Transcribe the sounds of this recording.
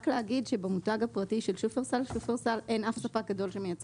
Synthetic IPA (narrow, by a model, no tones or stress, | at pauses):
kleaɡidʃe̞bemutaɡhapʁatiʃe̞lʃufeʁsalʃufeʁsalʔe̞jnafsapak̚ɡado̞lʃemejat͡s